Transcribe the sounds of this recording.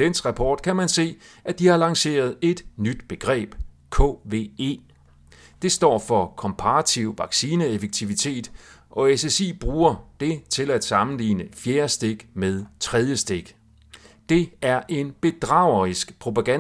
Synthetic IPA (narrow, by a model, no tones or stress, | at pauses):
d̥ensʁɑ̈pʰɒːd̥kʰæmænse̝̰ːæd̥ihɑ̈lɑ̈ŋse̝̰ːɐð̞ˠe̝d̥nyd̥b̥e̝ɡ̥ʁɛ̰ːb̥kʰɔ̰ːʋe̝̰e̝̰ː | d̥e̝sd̥ɒ̰ːfɒ̽kʰɒ̽mpʰɑ̈ʁɑt͡sʰiʊ̰ʋɑ̈ɡ̥siːnəefeɡ̥̚t͡sʰiʋit͡sʰe̝̰ːd̥ʔɒ̽esesḭːb̥ʁuːɐd̥e̝t͡sʰe̝læd̥sɑ̈mn̩lḭːnəfjeːɐsd̥e̝ɡ̥með̞ˠt͡sʰʁɛð̞ˠjəsd̥e̝ɡ̥ | d̥e̝æɐʔe̝nb̥e̝d̥ʁɑ̈ʊ̰ɐʁisɡ̥pʰʁo̝pʰæɡ̥æ